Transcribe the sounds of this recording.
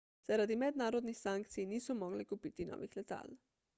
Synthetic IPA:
z̥aɾad̪imɛd̪naːɾod̪nixsaŋk̚t̪sijniːsɔmoɡlikupit̪ino̰ʋixlɛt̪a̰ːl

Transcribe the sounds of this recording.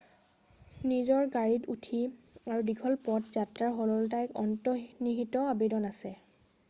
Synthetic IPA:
nizɔɹɡaɹitutʰiaɹudiɡʰɔlpɔtzatɹaɹɦɔlɔltajkɔ̰ntɔniɦitɔabedɔnasɛ

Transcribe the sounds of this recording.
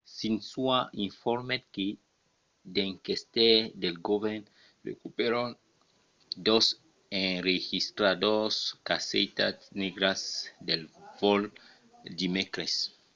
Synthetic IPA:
sinsuaiɱfoɾmet̪̚ke | d̪eŋkest̪ed̪elɡoβen | rḛkupeɾon | d̪os | enɾexist̪ɾad̪oskasejt̪atneɡɾasd̪elvol | d̪imekɾes

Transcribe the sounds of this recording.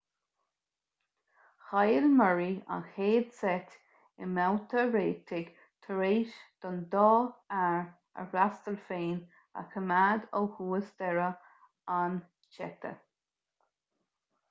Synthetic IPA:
xajəlməɹia̰nxeːd̪sɛtʲ | ɪmawt̪ʰəɹeːt̪ʰɪɡ | t̪ʰəɾeːʃd̪̥ɔnd̪ɔːaɹ | ə̰ɾast̪əlfeːn | a̰kʰəmad̪owhuːəsd̪ɛɹə | an | t͡ʃɛ̰t̪ʰə̰

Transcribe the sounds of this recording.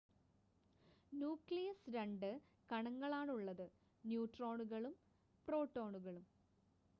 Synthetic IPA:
njuːkɭijɐsɾɐɳɖɨ | kɐɳɐŋːɐɭaːɳuɭːɐðɨ | njuːʈro̞ːɳuɣɐɭum | pro̞ːʈːo̞ːɳuɣɐɭum

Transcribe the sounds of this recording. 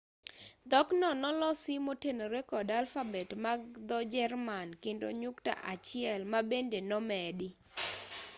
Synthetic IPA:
d̪ɔknɔnɔlɔsɪmotenoɾekɔdalfabɛtmaɡ̚d̪ɔd͡ʒɛrmankendo̰ɲukta̰ʔat͡ʃɪɛlmabendenɔmɛdɪ

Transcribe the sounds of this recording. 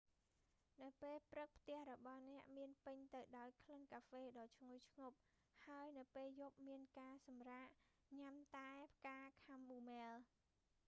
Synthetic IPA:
nɨwpeːlprɨk̚pʰt̪ɛ̆əhrɔɓɑhnɛ̆əʔmiənpɨɲt̪ɨwɗaɔjkʰlənkaːfeːɗɑːt͡ɕʰŋuəjt͡ɕʰŋop̚ | haəjnɨwpeːljop̚miənkaːsɑmraːʔ | ɲamt̪aɛpʰkaːkʰamɓuːmɛːl

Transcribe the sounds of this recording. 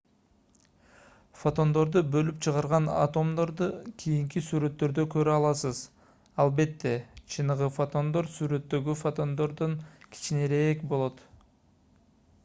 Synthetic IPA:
fot̪o̞nd̪o̞ɾd̪ubø̞lypt͡ʃʰɯʁɑɾʁɑna̰t̪o̞md̪o̞ɾd̪ukʰijiŋk̬isyɾø̞t̪ːø̞ɾd̪økø̞ɾyɑlˠɑsɯz | ɑlˠbe̞t̪ːe̞t͡ʃʰɯnɯʁɯfot̪o̞nd̪o̞ɾsyɾø̞t̪ːø̞ɡyfot̪o̞nd̪o̞ɾd̪oŋkʲʰi̥t͡ʃineɾeekbo̞lˠo̞t̪

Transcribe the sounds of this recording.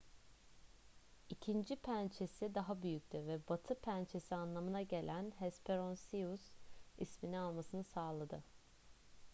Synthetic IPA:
icʰind͡ʒipʰænt͡ʃʰe̞sid̪aɦabyjyc̚t̪ʰyvɛbat̪ʰɯpʰænt͡ʃʰe̞sianlˠamɯnaɟe̞lʲʔænhɛspʰeɾonsiusḭsminialˠmasɯnɯsaːlˠad̪ɯ

